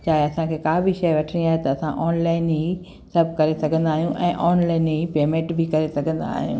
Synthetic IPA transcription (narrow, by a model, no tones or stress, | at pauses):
t͡ɕaːɦeɐsãkʰeːkaːbʱiʃɐjʋɐʈʰəɽ̃iaːɦet̪ɐɐsãʔɔːnlaːɪnɦi | sɐbʱkɐɾesɐɡʱə̃nd̪aːɦijũʔɛ̃ːʔɔːnlaːɪnɦipeːmẽɳʈbʱɪkɐɾesɐɡʱə̃nd̪a̰ːɦijṵ̃ː